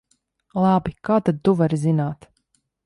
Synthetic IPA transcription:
lˠabikaːt̪ad̪̚t̪uvaɾzinaːt̪

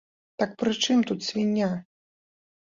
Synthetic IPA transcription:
t̪ak̚pɾɨt͡ʂɨmt̪ut̪sʲvʲinʲːa

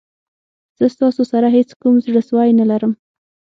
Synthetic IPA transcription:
z̥əst̪ɑsosaɾaɦet͡skumzɽəswɑjnalaɾəm

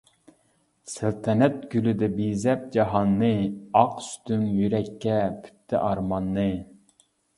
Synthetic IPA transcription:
sælt̪ʰɛnɛt̪̚ɡ̥ʲylyd̪ɛbizɛp̚d͡ʒɑɦɑnːɨɑqsy̥t̪yŋjyɾɛkʲʰːɛpʰy̥t̪ʰːɪ̰ʔɑɾmɑnːɨ

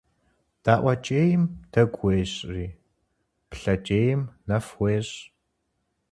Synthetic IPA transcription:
d̥aːʔʷɐt͡ʃʼeːjɪmd̥ɐɡʷeːɕʼriː | pɬɐt͡ʃʼeːjɪmnɐfwʷeːɕ

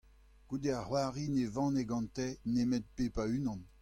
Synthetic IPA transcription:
ɡ̥ud̪eahwaːʁinevɑ̃ːneɡɑ̃nt̪ɛnemɛt̪̚pepaynɑ̃n

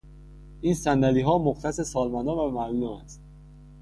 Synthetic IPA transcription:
iːnsænd̪æliːɦɒːmoxt̪ʰæsesɒːlmænd̪ɒːnvæmælomæ̰st̪̚

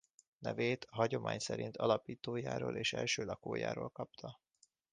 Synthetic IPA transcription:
nɛveːt̪ɒɦɒɟo̞mʔaːɲsɛɾint̪ʰɒlɒpiːt̪oːjaːɾoːlʔeːʃɛ̰lʃøːlɒkoːja̰ːɾoːlkɒpt̪ʰɒ

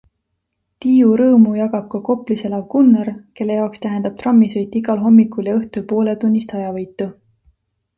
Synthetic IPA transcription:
t̪iːuɾɤːmujɑɡɑb̥̚kɑko̞pliselɑɡ̥unːeɾke̞lːe̞jɑokst̪æɦend̪ɑb̥̚t̪rɑmːisojt̪ːˑiɡɑlɦo̞mːikuljɑɤht̪ulpo̞ːle̞t̪unʲːist̪ɑjɑvɤjt̪ːˑu

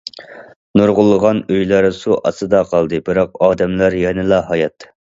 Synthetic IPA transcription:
noɾʁʊlˠːəʁɑnøjlɑɾsuʔɑ̰sɨd̪ɑqʰɑlˠd̪ɨbɨɾɑqɑːd̪ɛmlɑɾjɛnɪlˠɑɦɑjɑt̪

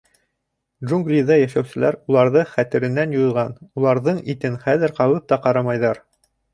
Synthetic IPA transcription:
dʒuŋɡlʲiðɑjæʃæwsɘ̆læɾulˠɑɾðɤχæt̪ɘ̆ɾɘ̆nːænjuðʁɑnulˠɑɾðɤɴit̪ɘnχæðɘ̆ɾqɑlˠɤp̚t̪ɑqɑɾɑmɑjðɑɾ

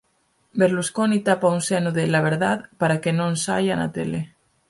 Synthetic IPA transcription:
beɾluskonit̪apaunsenuðelaβ̞eɾðaðpaɾakenõnsa̰jana̰t̪ḛle

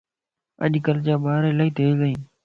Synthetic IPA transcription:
ə̰ʄkəlt͡ʃaːɓaːɾeːlaːit̪ʰeːiːɠəĩː

